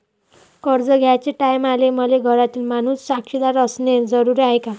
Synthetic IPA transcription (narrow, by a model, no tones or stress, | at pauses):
kʌɾd͡zəɡʱjat͡seʈajmalemʌleɡʱʌɾat̪ilmanusːakʂid̪aɾʌsned͡zʌɾuɾiajka